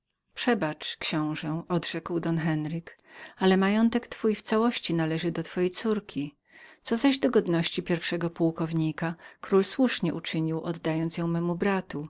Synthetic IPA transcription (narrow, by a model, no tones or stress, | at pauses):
pʂɛbat͡ʂkɕɔ̃w̃ʐɛɔd̪ʐ̥ɛkwd̪ɔnxɛnɾɘkalɛmajɔnt̪ɛkt̪fujft̪sawɔɕt͡ɕinalɛʐɘd̪ɔt̪fɔjɛjt̪suɾkʲʰi | t̪sɔzaʑd̪ɔɡɔd̪nɔɕt͡ɕipʲjɛɾfʂɛɡɔpuwkɔvɲikakɾulswuʂɲɛʔut͡ʂɘɲiwʔɔd̪ːajɔnt̪sjɔ̃w̃mɛmubɾat̪u